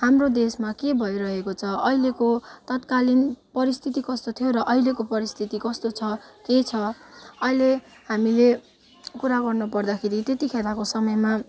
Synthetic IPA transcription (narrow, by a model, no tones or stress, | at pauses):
hamrod̪esmakebʱʌiɾʌɦekot͡sʰʌʌilekot̪ʌt̪kalinpʌɾist̪ʰit̪ikʌst̪ot̪ʰijoɾʌʔʌilekopʌɾist̪ʰit̪ikʌst̪ot͡sʰʌket͡sʰʌʌile | hamile | kuɾaɡʌrnʌpʌrd̪akʰeɾit̪et̪ikʰelakosʌmʌjma